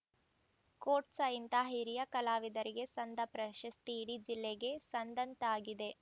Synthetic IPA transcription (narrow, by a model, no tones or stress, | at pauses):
koːʈsɐint̪aɦiɾijɐkɐlaːʋid̪ɐɾiɡe̞sɐnd̪ʱɐpɾɐʃɐst̪iːɽid͡ʒilːeɡe̞sɐnd̪ɐnt̪aːɡid̪e̞